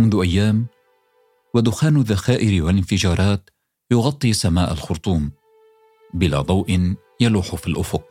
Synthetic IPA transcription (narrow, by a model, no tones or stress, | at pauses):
mʊnðʊʔajːaːm | wad̪ʊxaːnʊðːaxaːʔɪɾɪwalɪnfɪd͡ʒɑːɾˤɑːt̪ | jʊɣɑt̪ˤːisamaːʔa̰lxʊɾt̪ˤuːm | bɪla̰ːd̪ˤɑwʔɪn | jaluːħʊfilʔʊfʊq̚